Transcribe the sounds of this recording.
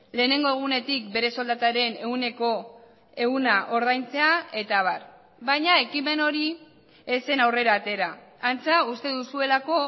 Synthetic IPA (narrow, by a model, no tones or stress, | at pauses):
le̞ːne̞ŋɡo̞e̞ɣ̞une̞t̪ikbe̞ɾe̞so̞ld̪at̪aɾe̞ne̞une̞ko̞ | e̞ɣunaʔo̞ɾð̞ajnt͡se̞ae̞t̪aβar | βaɲae̞kime̞no̞ɾi | e̞se̞nawre̞ɾaːt̪e̞ɾaːnt͡saust̪e̞ðusue̞lako̞